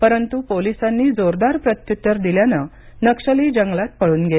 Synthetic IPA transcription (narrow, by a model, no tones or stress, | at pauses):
pəɾənt̪upolisanːiːd͡zoɾd̪aɾpɾət̪jut̪ːəɾd̪iljanə | nəkʂəliːd͡ʑəŋɡɭat̪̚pəɭuːnɡe